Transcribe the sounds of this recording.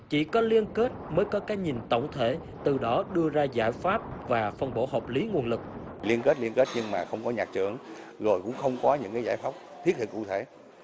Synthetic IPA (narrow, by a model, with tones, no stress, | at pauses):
t͡ɕḭ˧˩kɔ˨˦li˧ənke˦˥t̚məː˨˦jkɔ˨˦kaː˨˦˥ɲi˨˩nt̪ə̰˧˨wŋ͡mt̪ʰḛ˧˨ | t̪ɨ˨˩ɗɔ˨˦ɗɨ˧əzaː˧za̰ː˧˩jfaː˦˥p̚vaː˨˩fə˧˩nɓo̰˧˩ɦɔː˨˩p̚li˨˦ŋu˨˩ənlɨ˨˩k̚li˧ənke˦˥t̚li˧ənke˦˥t̚ɲɨ˧ŋmaː˨˩xə˧wŋ͡mkɔ˨˦ɲaː˨˩k̚t͡ɕɨ̰˧˨əŋ | zo˨˩jkʊ̰˧˥ŋ͡mxə˧wŋ͡mkɔ˨˦ɲɨ̰˧˥ŋkaː˨˦jza̰ː˧˩˦jfaː˦˥p̚t̪ʰi˦˥t̚hʰḭ˧˨ə˩kṵ˧˨˩t̪ʰe˧˩˨